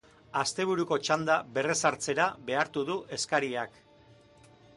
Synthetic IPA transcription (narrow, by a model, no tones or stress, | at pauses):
ast̪e̞β̞uɾuko̞t͡ʃand̪aβe̞re̞saɾt͡se̞ɾaβe̞aɾt̪uðuʔe̞skaɾiak